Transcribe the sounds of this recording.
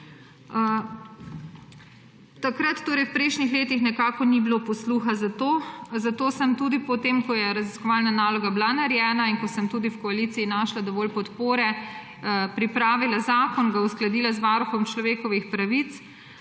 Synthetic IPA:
t̪akɾat̪ːoːɾɛjwpɾɛʃnixleːt̪ixnɛkaːkɔnibilopɔsluxazat̪oːzat̪oːsəmt̪uːd̪ipɔt̪eːmkɔjɛɾaziskɔʋaːlnanaːlɔɡablanaɾjɛːnainkɔsəmt̪uːd̪iwkɔaliːt̪siinaːʃlad̪ɔʋɔːlpɔt̪poːɾɛ | pɾipɾaːʋilazaːkɔnɡausklad̪iːlazʋaːɾuxɔmt͡ʃlɔʋeːkɔʋixpɾaʋit̪s

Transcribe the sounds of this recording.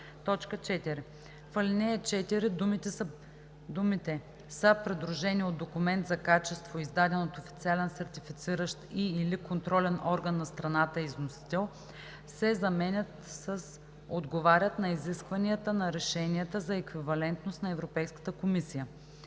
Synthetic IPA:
t̪ɔt͡ʃkət͡ʃɛt̪iɾɛ | fɐlʲinɛɛt͡ʃɛt̪iɾid̪umi | d̪umit̪ɛ | səpɾɛd̪ɾuʒɛniot̪d̪d̪okumɛnt̪zɐkat͡ʃɛst̪voizd̪ad̪ɛnot̪ofi̥t̪sialɛnsɛɾt̪ifit̪siɾəʃt̪iːlikont̪ɾɔlɛnʔɔɾɡənːɐst̪ɾɐnat̪əiznosi̥t̪ɛlˠ | sɛzɐmɛnʲət̪səs | od̪ɡovaɾʲət̪nɐiziskvɐniət̪ənɐɾɛʃɛniət̪əzɐɛkvivɐlɛnt̪nost̪nɐɛvɾopɛjskə̥t̪əkomisijə

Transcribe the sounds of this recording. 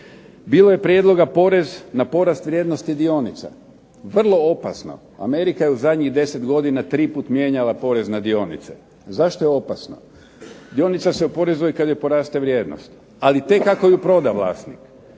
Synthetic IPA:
biːlˠoje̞pɾjed̪lˠo̞ɡapo̞ɾe̞znapo̞ɾast̪ʋɾʲjed̪no̞st̪id̪io̞nit̪sa̰ | ʋr̩lˠo̞o̞pasno̞̰ | a̰me̞ɾikajeuzad̪ɲiɣd̪e̞se̞t̪ɡo̞d̪inat̪ɾiːpuːt̪mje̞ːɲalapo̞ɾe̞znad̪io̞nḭt̪sḛ | zaʃt̪o̞jeo̞pasno̞̰ | d̪io̞nit̪saseupo̞ɾe̞zujikad̪jepo̞ɾaːst̪eʋɾjeːd̪no̰st̪ | alit̪e̞kːakojupɾo̞d̪aʋlˠa̰ːst̪nik

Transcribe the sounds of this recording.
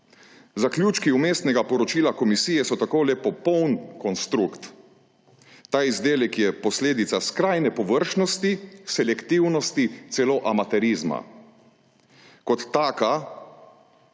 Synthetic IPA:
zakljuːt͡ʃkiumeːst̪nɛɡapɔɾɔt͡ʃiːlakɔmisiːjɛsɔt̪akoːlɛpɔpɔwnkɔnst̪ɾukt̪ | aːizd̪eːlɛkjɛpɔsleːd̪it̪saskɾajnɛpɔʋəɾʃnɔst̪isɛlɛkt̪iwnɔst̪it̪sɛloːʔamat̪ɛɾiːzma̰ | kɔt̪ːaːka

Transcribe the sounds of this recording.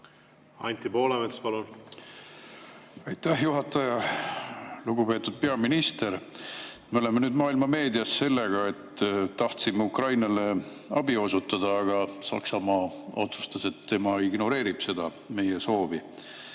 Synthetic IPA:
ɑ̰nʲt̪ipo̞ːlemespɑlun | ɑjt̪ːæhjuɦɑt̪ːˑɑjɑ | luɡupe̞ːt̪ːˑud̪̥̚pe̞ɑminist̪e̞ɾ | meo̞le̞menyːd̪mɑːilmɑme̞ːd̪iɑsːe̞lːe̞ɡ̥ɑe̞t̪ːt̪ːɑht̪simeukrɑjnɑle̞ɑb̥io̞sut̪ːˑɑd̪ɑːɡ̥ɑsɑ̰ksɑmɑo̞t̪su̥st̪ɑse̞t̪ːe̞mɑiɡ̥no̞ɾe̞ːɾib̥se̞d̪̥ɑ | me̞jeso̞ːvi

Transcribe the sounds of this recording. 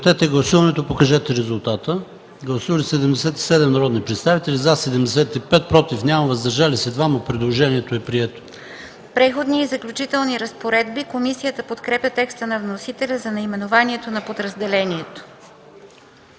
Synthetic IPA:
t̪ɛt̪ɛɡlˠɐsuvɐnɛt̪opokɐʒɛt̪ɛɾɛzulˠt̪at̪ə | ɡlˠɐsuvəlʲisɛd̪ɛmd̪ɛsɛt̪i̥sɛd̪ɛmnɐɾɔd̪nipɾɛt̪st̪avit̪ɛlʲizasɛd̪ɛmd̪ɛsɛt̪ipɛt̪̚pɾɔt̪ifnʲjaməvɐzd̪ɐɾʒalisɛd̪vaməpɾɛd̪lˠoʒɛniɛt̪oɛpɾiɛt̪o̥ | pɾɛxod̪niːzɐklʲut͡ʃit̪ɛlˠniɾəspoɾɛd̪bikomisijət̪əpot̪kɾɛpʲət̪ɛkst̪ənɐvnosit̪ɛlʲəzɐnɐimɛnovaniɛt̪onɐpod̪ɾəzd̪ɛlɛniɛt̪o̥

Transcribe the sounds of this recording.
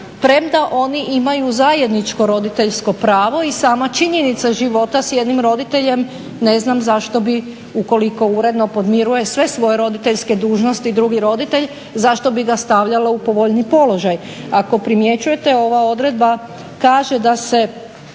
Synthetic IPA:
pɾe̞md̪aʔo̞niʔimajuzaje̞d̪nit͡ʃko̞ɾo̞d̪it̪e̞ʎsko̞pɾaːʋo̞isaːmat͡ʃiɲe̞nit̪saʒiʋo̞t̪asjed̪nimɾo̞d̪it̪e̞ʎe̞m | neznamzaʃt̪o̞bi | uko̞liko̞uɾe̞d̪no̞po̞d̪miɾuje̞sʋe̞sʋo̞je̞ɾo̞d̪it̪eʎske̞d̪uːʒno̞st̪iːd̪ɾuɡiɾo̞d̪it̪eʎ | zaʃt̪o̞biɡast̪aʋʎalaupo̞ʋo̞ʎnipo̞lo̞ʒaj | ako̞pɾimje̞t͡ɕuje̞t̪e̞o̞ʋao̞d̪ɾe̞d̪̚ba | kaːʒed̪ase̞

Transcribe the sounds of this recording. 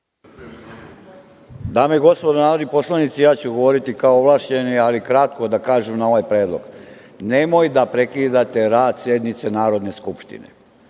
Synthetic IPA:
d̪aːmeiɡo̞spod̪onaːɾod̪nipo̞slˠanit̪sijaːt͡ɕuɡo̞ʋoɾit̪ikaooʋlˠaːʃt͡ɕe̞nialikɾat̪̚ko̞d̪akaːʒumnao̞ʋajpɾeːd̪lˠo̞̰ɡ̥ | ne̞mojd̪apɾe̞kid̪at̪e̞ɾaːd̪sje̞d̪nit̪se̞naːɾo̞d̪ne̞skupʃt̪ḭnḛ

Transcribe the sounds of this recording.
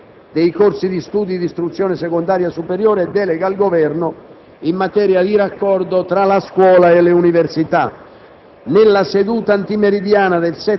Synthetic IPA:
d̪ejkorsid̪ist̪uːd̪id̪ist̪ɾut̪sːjɔːnɪsɛkond̪aːɾjasupeɾjɔːɾeɛd̪ːɛːlɛɡalɡovɛrnʊ | imːat̪ɛːɾjad̪iɾakːɔrd̪ot̪ɾalaskwɔːlaeleuniversit̪a | nɪlːased̪uːt̪aant̪imeɾid̪jaːnad̪elsɛ

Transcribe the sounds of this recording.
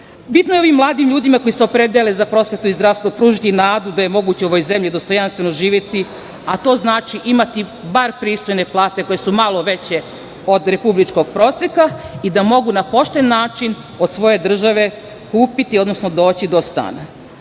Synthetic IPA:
bit̪nojeo̞ʋimːlˠaːd̪imʎuːd̪imako̞jiseo̞pɾed̪elezapɾo̞sʋe̞t̪uizd̪ɾafst̪ʋopɾuːʒit̪inaːd̪ud̪aje̞mo̞ɡuːt͡ɕeo̞ʋojze̞mʎid̪o̞st̪o̞janst̪ʋe̞no̞ʒiːʋje̞t̪i | at̪o̞ːznaːt͡ʃiʔimat̪ibaɾpɾiːst̪o̞jne̞plˠaːt̪e̞ko̞je̞sumalˠo̞ʋe̞t͡ɕe̞ | o̞d̪ɾe̞publit͡ʃko̞ɡ̚pɾo̞ːsjekaid̪amo̞ɡunapo̞ʃt̪enːaːt͡ʃin | o̞d̪sʋo̞je̞d̪r̩ʒaʋe̞ | kuːpit̪io̞d̪no̞sno̞d̪o̞ːt͡ɕid̪o̞st̪a̰ːna̰

